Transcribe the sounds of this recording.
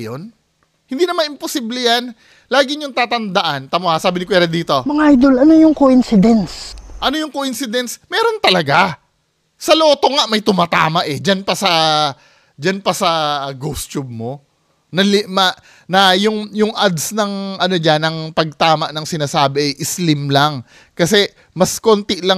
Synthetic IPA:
jon | hɪnd̪inɐmanɪmposiblɛjan | laːɡɪɲʊŋt̪aːt̪ɐnd̪ɐʔant̪ɐmohasaːbɪnɪk̬wɛɾɐd̪iːt̪o̞mɐŋaʔajd̪olɐnojʊŋkoʔɪnsɪd̪ɛnsʔɐnojʊŋkoʔɪnsɪd̪ɛnsmɛːɾo̞nt̪ɐlɐɡa | sɐloːt̪o̞ŋaʔmɐjt̪ʊmaːt̪a̰ːmɐʔɛd͡ʒanpɐsɐ | d͡ʒanpɐsɐɡost͡ʃub̚mo̞ | nɐlɪmɐʔ | nɐjʊŋjʊŋʔad̪snɐŋʔɐno̞d͡ʒanɐŋpɐɡ̚t̪aːmɐʔnɐŋsɪnaːsaːbɪʔɛʔɪslɪmlaŋ | kɐsɛ | mɐskoːnt̪ɪlɐ

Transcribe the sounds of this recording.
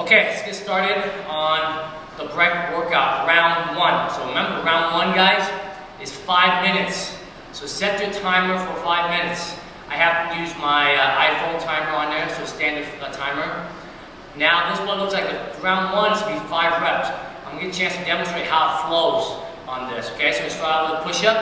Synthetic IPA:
oʊkʰeɪɨsɡ̥ɨtstɑɹɾɪɾə̃n | ðəbɹɛ̃kwɜ˞kʌp̚ɹãʊ̃nd̚wʌ̃nsoʊɹɨmɛ̃mbə˞ɹãʊ̃ndwʌ̃nɡaɪz | ɨz̥faɪvmɪ̃nɨtsː | oʊsɛt͡ʃətʰãɪ̃mə˞fə˞faɪvmɪ̃nɨts | ʔaɪhæftɨjʉzmaɪʔa̰ɪfõʊ̃ntʰãɪ̃mə˞ə̃nðə˞soʊstæ̃ndɨftʰãɪ̃mə˞ | naʊðɪswʌ̃nlʊkslaɪkɨɹãʊ̃nd̚wʌ̃nsizfaɪvɹɛpsãɪ̃mɡɪt͡ʃʰæ̃nstʰɨdɛmɨ̃n̩stɹ̥eɪt̚haʊətfloʊz̃ | n̩ðɪsoʊkʰeɪsoʊɨstɑwpʰʊʃʌp̚

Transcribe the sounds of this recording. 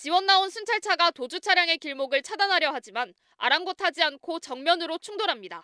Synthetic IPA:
t͡ɕiwʌnːaonsʰunt͡ɕʰaɭt͡ɕʰaɡatod͡ʑut͡ɕʰaɾjaŋe̞kiɭmoɡɯɭt͡ɕʰadanɦaɾjʌɦad͡ʑiman | a̰ɾanɡotʰad͡ʑiankʰot͡ɕʌŋmjʌnɯɾot͡ɕʰuŋdoɾɦamɲida

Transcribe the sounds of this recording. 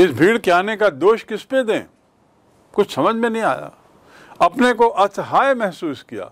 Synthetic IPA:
ɪsbʱiːɽkjaːnekad̪oːʃkɪsped̪ḛ̃ː | kʊt͡ʃʰsɐməd͡ʒʱmẽnɐɦĩa̰ːja̰ː | ɐpnekoʔɐsɦaːjmɛɦsuːskija̰ː

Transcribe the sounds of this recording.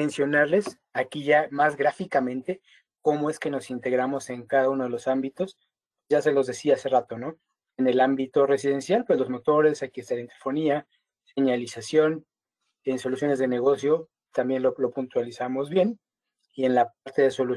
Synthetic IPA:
ensjo̞naɾle̞s | akiʝamazɣɾafikamẽ̞nt̪e̞ | ko̞mo̞e̞ske̞no̞sint̪e̞ɣɾamo̞se̞ŋkaðaunoð̞elo̞sambit̪o̞s | pwezʝase̞lo̞zðe̞siaase̞rat̪o̞no̞ | e̞ne̞lambit̪o̞re̞siðe̞nsjalpwelo̞zmo̞t̪o̞ɾe̞sajkiest̪aɾent̪eɾfo̞nia | se̞ɲalisasjo̞n | enso̞lusjo̞ne̞zðe̞ne̞ɣo̞sjo̞ | t̪ambjenlolo̞punt̪walisamo̞zβje̞n | ie̞nlap̚aɾt̪e̞ðe̞so̞lu

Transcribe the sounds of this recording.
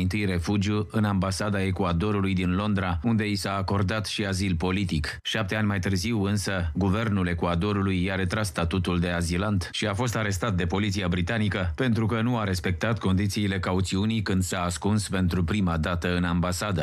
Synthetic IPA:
int̪ɨjre̞fud͡ʒjuʔɨnambasad̪ae̞kuad̪o̞ɾulujd̪inlo̞nd̪ɾaund̪e̞isaːko̞rd̪at̪ʃiazilpo̞lit̪ik | ʃap̚t̪eanʲmajt̪ɨrziwɨnsəɡuve̞rnule̞kuad̪o̞ɾulujːaɾe̞t̪ɾasːt̪at̪ut̪uld̪e̞azilant̪ʃiafo̞s̬t̪aɾe̞st̪at̪̚d̪e̞po̞lit̪siabɾit̪anikəpe̞nt̪ɾukənuaɾe̞spe̞k̚t̪at̪ko̞nd̪it̪siːle̞kaut̪siunijkɨnd̪saːskunspe̞nt̪ɾupɾimad̪at̪əɨnambasad̪ə

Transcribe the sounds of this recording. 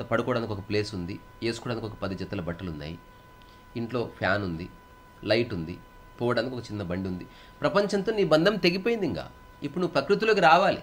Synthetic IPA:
t̪ɐpɐɽukɔːɽaːnikiɔkɐple̞ːsund̪i | e̞ːsu̥kɔːɽaːnikɔkɐpɐd̪ɐd͡ʒɐt̪ːɐlɐbɐʈːɐlunːa̰ːji | iɳʈlo̞ːpʰjaːnund̪i | lɐjʈund̪ḭ | pɔːʋɐɽaːnkiɔkɐt͡ʃinːɐbɐɳɖiund̪i | pɾɐpɐɲt͡ʃɐnt̪o̞ːniːbɐnd̪ʱɐmt̪e̞ɡip̬ojind̪iŋɡa̰ː | ipːuɽunuːpɾɐkɾit̪̬ulokiɾaːʋaːlḭ

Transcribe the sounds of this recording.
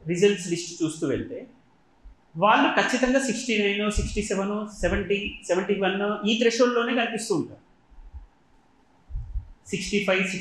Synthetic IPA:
ɾizɐlʈsɖisʈt͡ʃuːst̪uːʋeɭt̪eː | ʋaːɭːukɐt͡ʃːit̪ɐŋɡaːsiksʈiːnɐjnoːsiksʈiːsɛʋɐnoːseʋɐɳʈisɛʋɐɳʈiːʋɐnːɐiːt̪ɾeʃollo̞ːne̞ːɡɐnipist̪uːɳʈa̰ːɾu | siksʈiːpʰɐjsi

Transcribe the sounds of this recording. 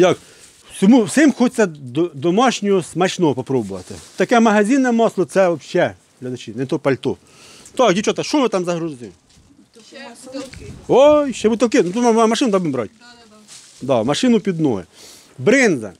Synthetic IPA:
jak | wsʲɔmuwsɪmxut͡s̪ʲɐd̪ɔd̪ɔmɔʃnʲɔʊsmɐt͡ʃnɔpɔpɾɔbʊʋɐ̰t̪ɪt̪ɐkɛmɐɦɐzʲinɛmɔslˠɔsɛʋɔbʃɛ | ɦlʲɐd̪ɐt͡ʃinɛt̪ɔpɐlʲt̪u | t̪ɔkdʲit͡ʃɔt̪ɐʃɔʋɪt̪ɑmzɐɦɾʊɪ | ɔjʃɛbut̪ɐkɪnut̪ɔmmɐʃɪnʊd̪ɔbɪmbɾɔ̰t̚ʲ | d̪amɐʃɪnʊpʲid̪nɔɦɛ̰ | bɾɪnzɐ̰

